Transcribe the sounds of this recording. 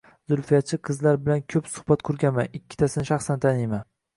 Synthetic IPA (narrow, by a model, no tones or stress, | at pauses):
zʊlfijat̪̚t͡ʃʰɪqʰɨzlaɾbɪlankʲʰɵpsʊ̥hbat̪̚kʰʊɾɡʲanmanɪkʲʰːɪ̥t̪ʰasɪnɪʃɑχsant̪ʰanejma